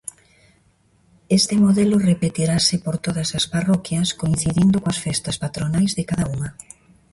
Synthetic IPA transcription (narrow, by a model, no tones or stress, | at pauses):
est̪ɪmoðɛlʊrepet̪iɾasɪpoɾt̪oðɐsɐsparɔkjɐskoin̟θiðind̪ʊkoɐsfɛst̪ɐspat̪ɾonajzðɪkaðɐuŋɐ